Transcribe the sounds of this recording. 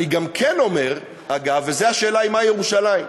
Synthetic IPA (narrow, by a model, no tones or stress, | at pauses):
iɡamkʰe̞no̞me̞ʁ | aɡavːeze̞aʃe̞ːlaimaje̞ʁuʃalaim